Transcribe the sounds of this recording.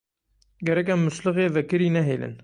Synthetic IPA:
ɡɛɾɛkɛmːʊʃlɨɣeːvɛkɨɾiːnɛɦeːlɨ̰n

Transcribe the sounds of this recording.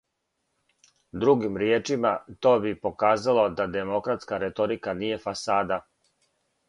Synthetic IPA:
d̪ɾuɡimɾjeːt͡ʂimat̪o̞ːbipo̞kaːzalo̞d̪ad̪e̞mo̞kɾat̪skaɾet̪o̞ɾikanije̞fasaːd̪a

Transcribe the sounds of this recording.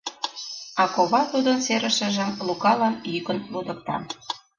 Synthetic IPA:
ɑkoβɑt̪ud̪ə̆nseɾə̆ʃĕʒəmlukɑlɑnjykə̆nlud̪ə̆k̚t̪ɑ̰

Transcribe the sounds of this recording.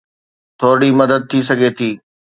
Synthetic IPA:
t̪ʰoːɾɽimɐd̪əd̪̚t̪ʰis̬ɐɡʱet̪ʰiː

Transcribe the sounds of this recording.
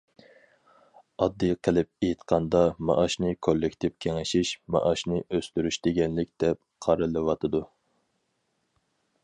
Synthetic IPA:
ɑd̪ːɨjqʰəlɪp̚ejt̪qʰɑnd̪ɑmɑ̰ʔɑʃnɨkʰolːɪkʲt̪ʰɪp̚kʲʰeŋɪʃiʃmɑ̰ʔɑʃnɨʔøst̪yɾyʃd̪ɪɡʲɛnlɪkʲd̪̥ɛp̚qʰɑɾɨlˠɨwɑt̪ʰɨd̪u

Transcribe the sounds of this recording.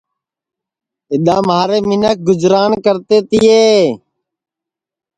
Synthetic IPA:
ɪɗ̪ãːmaːɾeːmɪnək̚ɡʊd͡ʒɾaːnkəɾt̪eːt̪ɪːeː

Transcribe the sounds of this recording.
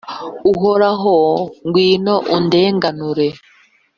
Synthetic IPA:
uɦoɾaɦoŋɡwiːnoʔunde̞ːŋɡanuɾe

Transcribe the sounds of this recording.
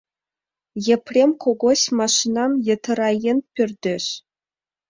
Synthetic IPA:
jeprʲemkʰoɡosʲmɑʃinɑmjĕt̪ʰɤ̆ɾɑjenpʲirʲd̪ʲɘ̆ʃ

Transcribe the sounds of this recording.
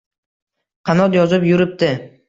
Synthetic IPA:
qʰɑnɒt̪jɒzɪpjʊɾɪp̚d̪ɪ

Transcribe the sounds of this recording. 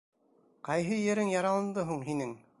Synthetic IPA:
qɑjɦɤjɘ̆ɾɘŋjɑɾɑlˠɤ̆nd̪ɤɦuɴɦinɘŋ

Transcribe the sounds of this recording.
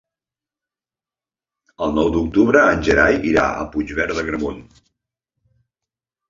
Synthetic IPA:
əlˠnɔwd̪uk̚t̪uβɾəːnʲʒəɾajiɾa̰ə̰pud͡ʒβɛɾðəɣɾəmun

